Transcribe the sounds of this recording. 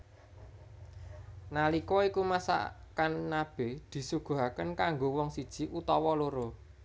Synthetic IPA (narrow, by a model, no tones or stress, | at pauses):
nalikɔikumasa̰kanːab̥e̤d̪̥i̤suɡ̥ṳɦakənkaŋɡowɔŋsid̥ʒ̥i̤ʔut̪ɔwɔloɾo